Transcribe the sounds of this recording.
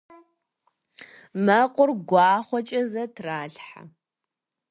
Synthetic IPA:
mɐqʷʼʊrɡʷɑːχʷɔt͡ʃʼɐzɐtʰraːɬħa̰

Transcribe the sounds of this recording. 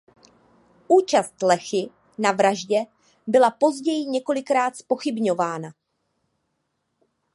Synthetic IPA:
ʔuːt͡ʃast̪lɛxɪ | navɾaʒɟɛ | bɪlapo̞zɟɛjɪɲɛko̞lɪkɾaːt̪spo̞xɪbɲo̞vaːna

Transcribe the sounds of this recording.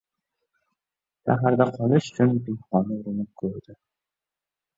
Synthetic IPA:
ʃa̰ɦaɾd̪aqʰɒlˠɪʃʊ̥t͡ʃʰʊnd̪ɪmχɒnɪʊɾɪnɪp̚kʰɵɾd̪̥ɪ

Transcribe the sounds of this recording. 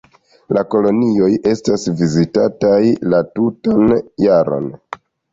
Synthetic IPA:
lako̞lo̞nio̞jʔe̞stasvizitatajlatutanjaɾo̞̰n

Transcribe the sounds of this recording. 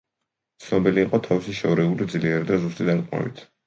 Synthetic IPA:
t̪sʰnɔbiliːqʼɔt̪ʰavisiʃɔvɾɛulid̪zliɛɾid̪azust̪ʼid̪aɾqʼma̰vḭt̪ʰ

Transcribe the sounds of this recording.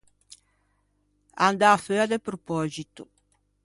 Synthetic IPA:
a̰nd̪aføad̪epɾopɔzit̪u

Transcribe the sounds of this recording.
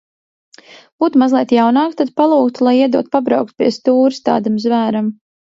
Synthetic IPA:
b̥uːt̪umazlˠiɛt̪jawnaːkt̪ad̪̚palˠuːkt̪ulˠajiɛd̪uɔt̪pabɾawk̚t̪u̥pʲiɛst̪uːɾst̪a̰ːd̪amzvæːɾam

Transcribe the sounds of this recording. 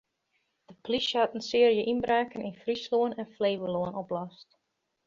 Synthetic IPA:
d̥əpliʃhatənsɪəɾijəʔinbraːkənɪnfrisloənɛnfleːʋəloənɔplɔst

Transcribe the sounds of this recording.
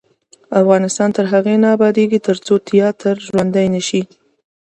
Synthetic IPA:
afɣɑnɪst̪ɑnt̪əɾɦaɣenaːbɑd̪eɡit̪əɾt͡sot̪ʰijɑt̪əɾʒwand̪ajnəʃi

